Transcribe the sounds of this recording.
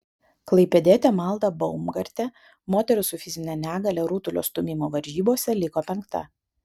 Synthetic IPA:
klˠɐɪpʲɛd̪ʲeːt̪ʲɛmɐlˠd̪ɐbɔʊmɡɐɾʲt̪ʲɛ | moːt̪ʲɛɾʲʊsʊfʲɪzʲɪnʲɛnʲæːɡɐlʲɛɾut̪ʊlʲo̰ːst̪ʊmʲɪmoːʋɐɾʲʒʲiːboːsʲɛlʲɪkoːpʲɛŋkt̪ɐ̰

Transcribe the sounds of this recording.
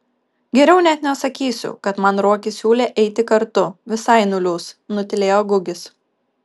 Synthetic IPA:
ɡʲɛɾʲɛʊnʲɛt̪nʲɛsɐkʲiːsʲʊ̰kɐt̪mɐnɾuɔkʲɪsʲuːlʲeːʔɛɪt̪ʲɪkɐɾt̪ʊʋʲɪsɐɪnʊlʲuːsnʊt̪ʲɪlʲeːjoːɡʊɡʲɪs

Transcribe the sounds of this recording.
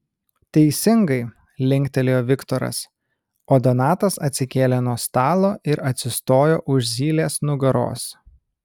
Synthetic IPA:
t̪ʲɛɪsʲɪŋɡɐɪ | lʲɪŋʲkt̪ʲɛlʲɪjoːʋʲɪkt̪ɔɾɐ̰s | oːd̪ɔnɑːt̪ɐsɐt̪ʲsʲɪkʲeːlʲɛnoːst̪ɑːlˠoːʔɪɾɐt̪ʲsʲɪst̪oːjo̰ːʔʊʃzʲiːlʲeːsnʊɡɐɾo̰ːs

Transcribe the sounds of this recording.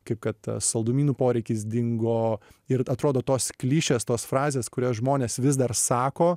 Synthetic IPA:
kɐɪp̚kɐt̪sɐlˠd̪ʊmʲiːnuːpoːɾʲɛɪkʲɪs̬d̪ʲɪŋɡoːɪɾɐt̪ɾoːd̪oːt̪oːsklʲiːʃʲeːst̪oːsfrɑːzʲeːskʊɾʲoːsʒmoːnʲeːsʋʲɪsd̪ɐrsɑːkoː

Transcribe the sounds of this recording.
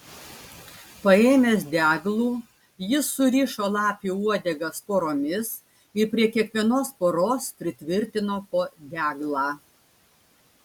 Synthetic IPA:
pɐeːmʲeːsd̪ʲæːɡlˠuː | jɪsːʊɾʲiːʃoːlˠɑːpʲuːuɔd̪ʲɛɡɐspoːɾoːmʲɪs | ɪɾpʲɾʲiɛkʲiɛkʋʲiɛnoːspoːɾoːspʲɾʲɪt̪ʲʋʲɪɾʲt̪ʲɪnoːpoːd̪ʲæːɡlˠɑː

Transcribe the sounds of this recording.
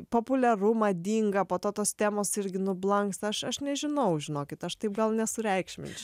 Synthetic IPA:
poːpʊlʲɛrʊmɐd̪ʲiːŋɡɐpoːt̪oːt̪oːst̪ʲæːmoːsɪɾʲɡʲɪnʊblˠɐŋkst̪ɐʃɐʃnʲɛʒʲɪnɐʊʒʲɪnoːkʲɪt̪ɐʃt̪ɐɪp̚ɡɐlˠnʲɛsʊɾʲɛɪkʃʲmʲɪ̰nʲt͡ʃʲʊ

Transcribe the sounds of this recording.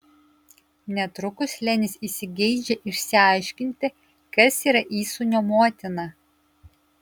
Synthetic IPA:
nʲɛt̪ɾʊkʊslʲɛnʲɪsisʲɪɡʲɛɪd͡ʒʲɛʔɪʃʲsʲɪɐɪʃʲkʲɪnʲt̪ʲɪ | kɐsiːɾɐʔiːsʊnʲoːmoɔt̪ʲɪnɐ

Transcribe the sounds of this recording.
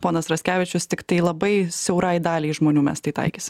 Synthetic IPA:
poːnɐsɾɐsʲkʲæːʋʲɪt͡ʃʲʊst̪ʲɪkt̪ɐɪlˠɐbɐɪsʲɛʊɾɑjd̪ɑːlʲeɪʒmoːnʲuːmʲɛ̰st̪ɐɪt̪ɐ̰ɪkʲisʲɪm

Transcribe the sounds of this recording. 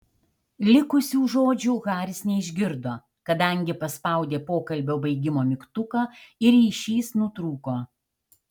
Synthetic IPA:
lʲɪkʊsʲuːʒoːd͡ʒʲuːɣɑːɾʲɪsnʲɛɪʒʲɡʲɪɾd̪oː | kɐd̪ɐˑŋʲɡʲɪpɐspɐˑʊd̪ʲeːpoːkɐlʲbʲoːbɐɪɡʲɪmoːmʲɪkt̪ʊkɑɪɾiːʃʲiːsnʊt̪ɾuːkoː

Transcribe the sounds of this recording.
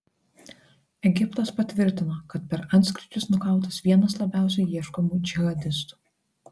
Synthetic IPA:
ɛɡʲɪpt̪ɐspɐt̪ʲʋʲɪɾʲt̪ʲɪnoːkɐt̪̚pʲɛɾɐnʲt̪sʲkɾʲɪt͡ʃʲʊsnʊkɐˑʊt̪ɐsʋʲiɛnɐslˠɐbʲæˑʊsʲɛɪjiɛʃkomuːd͡ʒʲɪɣɐd̪ʲɪst̪u̥

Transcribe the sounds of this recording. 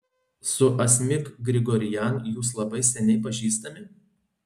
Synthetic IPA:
sʊʔɐsʲmʲɪkɡɾʲɪɡɔɾʲɪjænjuːs̬lˠɐbɐɪsʲɛnʲɛɪpɐʒʲiːst̪ɐmʲɪ

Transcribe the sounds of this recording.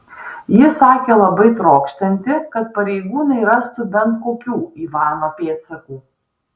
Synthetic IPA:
jɪsɑːkʲeːlˠɐbɐɪt̪ɾoːkʃʲt̪ʲɐnʲt̪ʲɪkɐt̪pɐɾʲɛɪɡuːnɐɪɾɐst̪ʊbʲɛnt̪koːkʲuːiːʋɑːnoːpʲeːt̪sʲɛkuː

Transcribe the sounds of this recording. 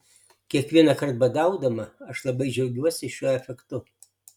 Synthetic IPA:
kʲiɛkʋʲiɛnɐkɐrt̪̚bɐd̪ɐʊd̪ɐmɐɐʃlˠɐbɐɪd͡ʒɛʊɡʲuɔsʲɪʃʲuɔɛfʲɛkt̪ʊ

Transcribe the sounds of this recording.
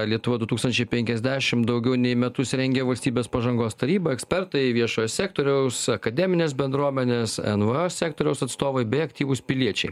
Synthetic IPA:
lʲiɛt̪ʊʋɐd̪ʊt̪uːkst̪ɐnʲt͡ʃʲɛɪpʲɛŋʲkʲɛzʲd̪ʲæːʃʲɪmd̪ɐʊɡʲɛʊnʲɛɪmʲɛt̪ʊsʲɾʲɛŋʲɡʲeʋɐlʲsʲt̪ʲiːbʲeːspɐʒɐŋɡoːst̪ɐɾʲiːbɐɛksʲpʲɛɾt̪ɐɪʋʲiɛʃoːjssʲæːk̚t̪oːɾʲɛʊsɐkɐd̪ʲɛːmʲɪnʲeːs̬bʲɛnd̪ɾuɔmʲɛnʲeːsɛnʋəosʲæːkt̪oːɾʲɛʊsɐt̪st̪oːʋɐɪbʲɛɪɐkt̪ʲiːʋʊspʲɪlʲiɛt͡ʃʲɛɪ

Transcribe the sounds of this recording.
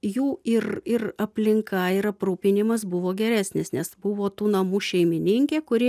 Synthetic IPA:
juːɪrɪrɐpʲlʲɪŋkɐɪɾɐpɾuːpʲɪnʲɪmɐsbʊʋoːɡʲɛɾʲæːsʲnʲɪsnʲɛsbʊʋoːt̪uːnɐmuːʃʲɛɪmʲɪnʲɪŋʲkʲeːkʊɾʲɪ

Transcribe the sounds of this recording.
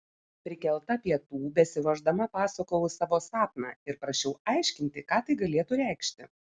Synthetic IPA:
pʲɾʲɪkʲɛlˠt̪ɐɐpʲiɛt̪uːbʲɛsʲɪʋɐʒd̪ɐmɐpɑːsokoʊʊsɑːʋoːsɑːp̚nɑ̰ːɪɾpɾɐʃʲɛʊɑˑɪʃʲkʲɪnʲt̪ʲɪkɑːt̪ɐɪɡɐlʲeɛt̪ʊɾʲæˑɪkʃʲt̪ʲɪ

